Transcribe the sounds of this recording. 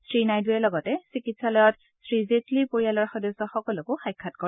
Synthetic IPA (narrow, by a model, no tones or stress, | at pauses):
sɹinajdujɛlɔɡɔtɛsikitsalɔjɔt | sɹizetlipoɹijalɔɹxɔdɔsɔxɔkɔlʊkʊxajkʰːatkɔɹɛ